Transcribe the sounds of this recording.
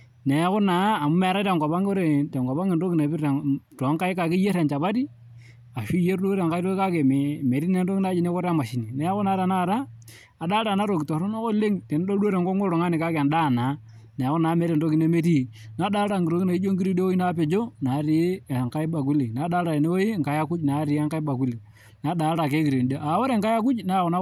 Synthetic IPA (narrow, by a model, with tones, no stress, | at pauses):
nɛ˨˦kʊ˦naː˨˦˨mu˦mɛ˨ɾa˦tɛ˨ŋko˨pa˦ŋ˦ɾe˨tɛ˨ŋɡɔ˨ba˦ŋi˨ndo˦ki˨na˨bi˦ɾɛ˨ŋtɔ˨˦ŋka˦i˦ka˨ki˦je˦ɾɛ˨nt͡ʃa˨ba˦di˦ | a˨ʃi˦je˦ɾdo˦ɾa˨ŋka˦i˦ɾo˦ka˦ke˨m˨me˨ɾi˦ne˦n˦do˦kɪ˦na˦d͡ʒi˦ne˦ko˦ɾa˦ma˨ʃi˨ni˨nɛ˨˦kʊ˦na˨˦ɾa˨na˦˨ɾa˦ | a˨ɗaː˦ɾa˨na˦ɾo˨ki˨to˨ɾo˦no˦ko˦le˦ŋte˨n˦ɗo˦do˦ɾe˨ŋɡɔ˦ŋo˦ɾo˨ŋa˦nɪ˨ka˦ka˨nɗa˦˨na˨˦ | na˨a˨kɔ˦na˨˦mɛ˨˦ɾe˨ndo˦ki˦ne˦me˦ɾi˦˨ | na˨˦ɗaː˦ɾa˨ŋɡɾo˨˦ki˦na˨i˦d͡ʒo˦ŋɡi˦ɾi˦de˦wo˦i˦na˦pe˨d͡ʒo˦na˨˦ɾi˨˦˨ŋka˦i˦ba˨k̬u˦li˨na˨˦ɗaː˦ɾa˨e˨ne˦wo˦i˦ŋka˨ja˦ku˦t͡ʃna˨˦ɾɪ˨˦a˦ŋka˦i˦ba˨ku˦li˨ | na˨˦da˨˦ɾa˨ke˦ki˨ɾi˨n˨de˦ʔa˨˦o˦ɾe˨ŋka˦ja˦k̬u˦t͡ʃna˦˨kɔ˨˦na˦